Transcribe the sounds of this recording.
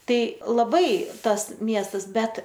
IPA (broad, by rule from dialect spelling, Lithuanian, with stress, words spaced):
ˈtɐɪ lˠɐˈbɐɪ ˈtɐs ˈmʲiɛstɐs ˈbʲɛt